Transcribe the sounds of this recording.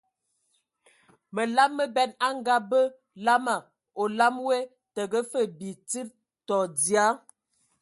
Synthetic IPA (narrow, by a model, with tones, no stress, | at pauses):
mə˨la˦mmːə˦bɛ˦na˦ŋɡa˦bə˦ | la˦ma˨ | o˨la˦mwe˦ | tə˨ɡə˦fə˦˨bi˨t͡si˦ɾ | tɔ˨di˨a˦